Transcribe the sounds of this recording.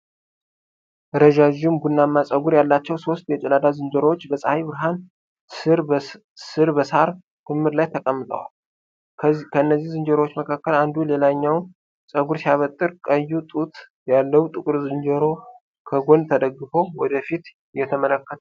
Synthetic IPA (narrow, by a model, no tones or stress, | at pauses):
ɾəʒaʒumbunːamːasʼəɡuɾjalːat͡ʃːɛwso̞st̪jɛt͡ʃʼɛlad̪azɨnd͡ʒəɾowot͡ʃːbəsʼhajbɨɾɦan | ɾ | sɨɾbəshaɾ | t̪ʰɨmːɨɾlajt̪ʰəkʼəmːɨt̪ʼə̰wa̰l | kʰəɨnːəzːihzɨnd͡ʒəɾowot͡ʃːməkʰakːəland̪ule̞laɲːawn | sʼəɡuɾsijaβət̪ʼːɨɾkʼəjːut̪ʼut̪ | jalːəwt̪ʼɨkʼɨɾzɨnd͡ʒəɾo̞ | kʰəɡont̪ʰəd̪əɡːɨfo̞wɔd̪əfit̪ | jːɛt̪ʰəmələkːət̪